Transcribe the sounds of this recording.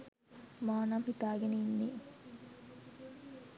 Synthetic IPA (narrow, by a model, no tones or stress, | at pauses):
maːnamhit̪aːɡeneinːiː